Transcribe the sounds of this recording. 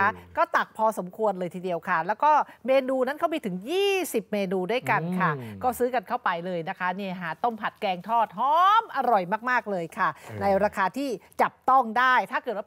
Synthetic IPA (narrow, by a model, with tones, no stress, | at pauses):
a˦˥kɔː˥˩t̪a˨˩k̚pʰɔː˧so˩˦mkʰu˧ənlɤː˧jt̪ʰiː˧di˧əwkʰa˥˩lɛː˦˥wkɔː˥˩meː˧nuː˧na˦˥nkʰa˦˥wmiː˧t̪ʰɯ˩˦ŋjiː˥˩si˨˩p̚meː˧nuː˧du˥˩jka˧nkʰa˥˩kɔː˥˩sɯː˦˥ka˧nkʰa˥˩wpa˧jlɤː˧jna˦˥kʰa˦˥ni˥˩ɐɦaː˨˩˦t̪o˥˩ŋpʰa˨˩t̪̚kɛː˧ŋt̪ʰɔː˥˩t̪̚ɦɔː˦˥mʔa˧ɾɔ˨˩jmaː˥˩k̚maː˥˩k̚lɤː˧jkʰa˥˩na˧jɾaː˧kʰaː˧t̪ʰiː˥˩t͡ɕa˨˩p̚t̪ɔ˥˩ŋdaː˥˩jt̪ʰaː˥˩kɤː˨˩t̪̚wa˥˧